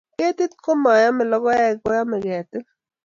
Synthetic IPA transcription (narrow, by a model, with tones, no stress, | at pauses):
ke˦t̪ɪ˦t̪̚ko˦ma˨ja˦mɛ˨lɔ˦ɡɔ˦ja˦˨ɡɔ˦ja˦mɛ˨ɡɛ˨t̪ɪ˦